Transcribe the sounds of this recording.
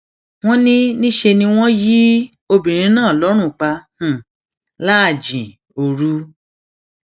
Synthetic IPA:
w̃ɔ̃˦nĩ˦nĩ˦ʃe˧nĩ˧w̃ɔ̃˦ji˦ | o˧bĩ˨ɾ̃ĩ˧˦nãː˦˨lɔ˦ɾ̃ũ˦˨k͡pa˧h̩˨ | la˦˨d͡ʒi˨ | o˨˧ɾu˦

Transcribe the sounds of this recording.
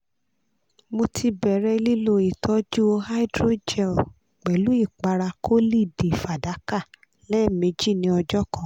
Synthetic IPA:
mõ˧tʰi˧bɛ˨ɾɛ˦˧li˦lo˧i˨tʰɔ˦d͡ʒu˦˧ha˦i˦dɾo˦d͡ʒɛ˦˨ | k͡pɛ˨lu˨˦i˦˨k͡pa˧ɾa˧kʰo˦li˦˨de˨fa˨da˨˦ka˦˨ | lɛː˦˨mẽ˨˦d͡ʒi˦˨nĩ˧ɔ˧d͡ʒɔ˦kɔ̃˦˨

